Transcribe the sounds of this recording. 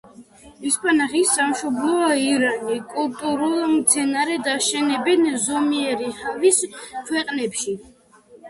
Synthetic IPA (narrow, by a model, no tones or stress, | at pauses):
ispʰʼanaχisamʃɔblˠɔaiɾanikʼulˠt̪ʼuɾulˠmt̪sʰɛnaɾɛd̪aʃɛnɛbɛnzɔmiɛɾiχaviskʰwɛqʼnɛpʃi